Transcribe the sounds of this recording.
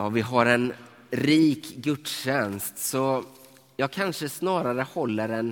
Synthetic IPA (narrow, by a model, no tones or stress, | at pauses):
ɑːvɪɦaɾɛn | ɾiːkɡɵt̪ɕɛnst̪sɔ | jɑːɡ̚kʰanʂəsnɑːɾaɾəhɔlːəɾɛn